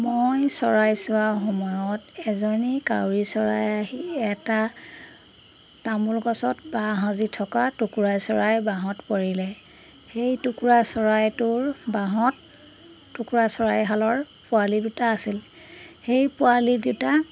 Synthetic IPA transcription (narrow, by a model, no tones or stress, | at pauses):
mojsɔɹajsʊwaxɔmɔjɔtɛzɔɹnika̰wɹisɔɹa̰jaɦiɛta | tamulɡɔsɔtbaɦãzitʰɔkatukuɹajsɔɹajbaɦɔtpoɹilɛ | xejtukuɹasɔɹajtʊɹbaɦɔtː | ukuɹasɔɹajɦalɔɹpʊalidutaːsil | xejpʊalidita